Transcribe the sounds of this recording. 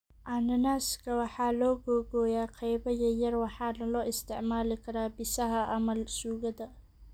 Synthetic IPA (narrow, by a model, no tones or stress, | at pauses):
ʔanɐnaːskʰɐwɑħɑːlɔːɡɔɡɔːjaːqʰɑjbɐjɐjɐrwɑħɑːlɐlɔːɪst̪ʰɪʕmaːlɪkʰɐɾaːbɪsɐɦɐʔɐmɐlsuːɣɐd̪ɐ